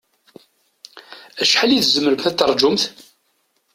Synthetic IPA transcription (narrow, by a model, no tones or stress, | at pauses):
æʃħaliðzəməɾəmθæt̪ːɑrˤd͡ʒʊmθ